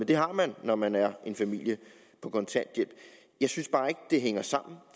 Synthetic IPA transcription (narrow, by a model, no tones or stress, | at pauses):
end̥e̝ɦɑ̈mænːɒmænæɐʔe̝nfæmil̰jə | pʰɒ̽kʰɒ̽nsʰæɐ̰d̥jel̰b̥ | jɑ̈ɪsynsb̥ɑ̈ːe̝ɡ̥əd̥e̝ɦeŋ̰ɐsɑ̈m̰n̩